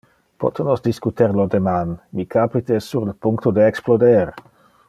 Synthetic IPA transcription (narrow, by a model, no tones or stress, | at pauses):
pɔ̰t̪nosd̪iskut̪eɾlod̪emanmikʰapit̪esuɾləpuŋkt̪od̪eeksplod̪ɛɾ